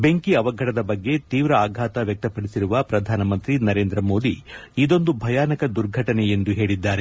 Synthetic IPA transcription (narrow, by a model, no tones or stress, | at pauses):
be̞ŋkiɐʋɐɡʱɐʈɐd̪ɐbɐɡːe̞t̪iːʋɾɐaːɡʱaːt̪ɐʋjɐk̚t̪ɐpːɐɽisiɾuʋɐpɾɐd̪ʱaːnɐmɐnt̪ɾinɐɾe̞ːnd̪ɾɐmo̞ːd̪iid̪o̞nd̪ubʱɐjaːnɐkɐd̪uɾɡʱɐʈɐneend̪uɦe̞ːɭid̪ːaːɾe̞